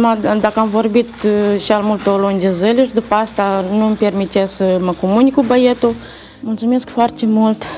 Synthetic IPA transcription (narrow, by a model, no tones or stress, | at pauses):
mad̪akəamvo̞rbit̪ʃalmult̪olonʲd͡ʒezəlʲeʃd̪upəast̪anumpe̞rmit̪essəməkomunʲkubəjet̪u | mult̪sume̞skfoart̪emult̪